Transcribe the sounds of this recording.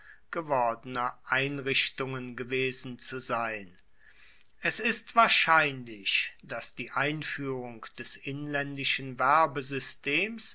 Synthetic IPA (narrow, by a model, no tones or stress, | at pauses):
ɡ̥əvɔɐdənɐʔaɪnʁɪçtʊŋənɡəveːzn̩t͡suzaɪn | ʔɛsɪstv̥aːɐʃaɪnlɪçd̥asd̥iːʔaɪnfyːʁʊŋkd̥ɛsʔɪnlɛndɪʃən̩vɛɐbəzʏstʰeːms